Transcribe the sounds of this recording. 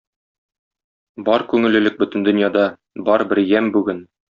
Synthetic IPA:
bɒɾkʉŋɘ̆lɘ̆lɘk̚bɵ̆t̪ɘ̆nd̪ɵ̆njɑd̪ɑ | bɒɾbɘ̆ɾjæmbʉɡɘn

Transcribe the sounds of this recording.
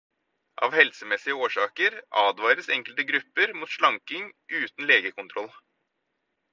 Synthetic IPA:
ʔɑ̰ːʋhɛlsəmɛsɪəoːʂɑːkəɾʔɑːd̪ʋɑːɾəsɛŋkəlt̪əɡɾʉpːəɾmuːt̪ʃɭɑŋkɪŋʔʉːt̪n̩leːɡəkʊnt̪ʰɾɔl

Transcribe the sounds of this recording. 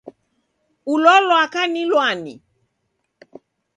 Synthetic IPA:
ulɔlɔakanĩloanɪ̰

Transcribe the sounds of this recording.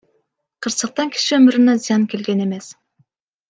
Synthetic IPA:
qʰɯɾsəq̚t̪ɑŋkʲʰi̥ʃiøɵmyɾynæzijɑnkʲʰelɡʲene̞mes

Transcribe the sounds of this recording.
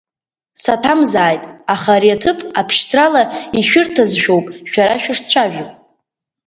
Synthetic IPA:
satʰamzaːjtʼaχaɾiatʰɨpʰʼapʰʃtʰralaiʃᶣʊrtʰazʒᶣowpʼʃᶣaɾaʃᶣɪʂt͡ɕʷʰaʒᶣopʼ

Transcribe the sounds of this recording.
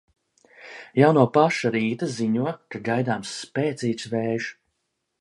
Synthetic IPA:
jawnuɔpaʃaɾiːt̪aziɲuɔkaɡajd̪aːmsːpʲɛːt̪siːt̪svɛːʒ

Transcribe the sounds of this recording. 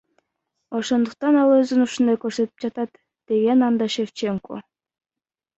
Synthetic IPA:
oʃond̪uq̚t̪ɑnɑlˠɤzənuʃɯ̆nd̪ɑkørʃset̪ə̥p̚t͡ɕɑt̪ɑt̪ː | eɡʲenɑnd̪ɑʃeft͡ɕeŋko̰

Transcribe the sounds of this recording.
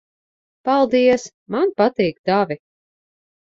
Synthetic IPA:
palˠd̪iɛs | manpat̪iːɡd̪avʲi

